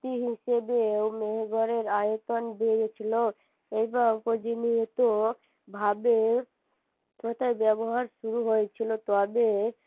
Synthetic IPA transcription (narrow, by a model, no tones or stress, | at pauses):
t̪iɦiʃebewmeɦeɡɔɾeɾajot̪onbeɾet͡ɕʰilo | ejbakod͡ʑiniɦet̪o | bʱabe | kot̪ʰajbɛboɦaɾʃuɾuɦojet͡ɕʰilot̪ɔbe